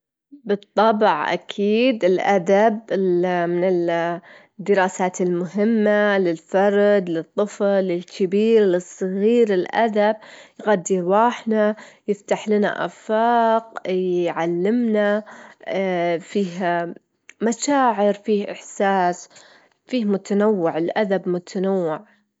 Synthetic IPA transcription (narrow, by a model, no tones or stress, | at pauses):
bɨt̪ˤːɑbʕʔa̰kʰiːd̪ɪlʔad̪abɪmɪnɪl | d̪ːɪɾɑːsaːt̪ɪlmʊɦɪmːalɪlfɑɾˤd̪lɨt̪ˤːɨflɪlkʰɪbiːɾlɨsˤːɨɣiːɾɪlʔa̰d̪ab̚jɣad̪ːiɾwɑːħnajɪft̪aħlɪna̰ʔa̰fɑːqjʕalːɪmna | fiːh | maʃaːʕɪɾfiːhʔɪħsaːs | fiːhmʊt̪anawːɪʕɪlʔad̪abmʊt̪ʰanawːɪʕ